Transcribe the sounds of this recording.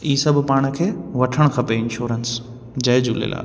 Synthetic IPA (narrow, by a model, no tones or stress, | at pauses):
iːsɐbʱpaːɽ̃ə̆kʰeːʋɐʈʰəɽ̃kʰɐpeɪ̃nʃuːɾəns | d͡ʑɐɦɪd͡ʑuːlḛːla̰ː